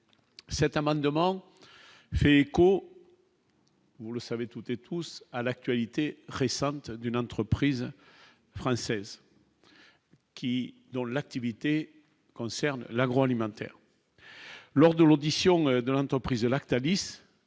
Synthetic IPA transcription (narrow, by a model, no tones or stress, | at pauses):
sɛt̪amɑ̃d̪əmɑ̃ | fɛeko | vuləsavet̪ut̪et̪ʰusalak̚t̪ɥalit̪eʁesɑ̃t̪d̪ynɑ̃t̪χəpχiz | fχɑ̃sɛz | kʲid̪ɔ̃lak̚t̪ivit̪e | kɔ̃sɛʁnlaɡʁoalimɑ̃t̪ɛ̰ʁ | lɔʁd̪əlod̪isjɔ̃d̪əlɑ̃t̪χəpχizəlakt̪alis